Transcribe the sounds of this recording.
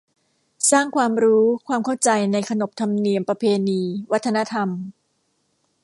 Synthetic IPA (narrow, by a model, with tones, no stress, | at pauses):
saː˥˩ŋkʰwaː˧mɾuː˦˥kʰwaː˧mkʰa˥˩wt͡ɕa˧jna˧jkʰa˧no˨˩p̚t̪ʰa˧mni˧əmpɾa˧pʰeː˧niː˧wa˦˥t̪ʰːa˧na˦˥t̪ʰa˧m